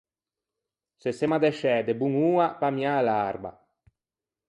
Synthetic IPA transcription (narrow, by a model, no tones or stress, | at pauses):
sesemad̪ɛʃɛd̪ebuŋuːapamjalaɾba̰